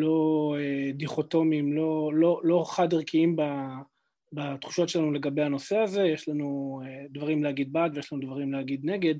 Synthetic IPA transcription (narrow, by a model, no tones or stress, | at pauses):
lo̞ed̪iχo̞t̪o̞mimlo̞lo̞lo̞χadeʁkʰiimba | bat̪χu̥ʃo̞tʃelanule̞ɡabe̞jhano̞se̞aze̞jeʃlanued̪vaʁimlehaɡid̪̚baːt̪vejeʃlanud̪vaʁimlehaɡid̪ne̞ɡe̞d̪